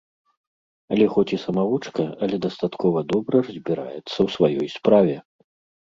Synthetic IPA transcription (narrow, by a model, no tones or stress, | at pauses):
ɐlʲɛxɔt͡sʲisɐmavut͡ʂkɐɐlʲɛd̪ɐst̪at̪kɔvɐd̪ɔbɾɐrɐzʲbʲiɾa̰jɛt̪sːɐwsvajɔjspɾavʲɛ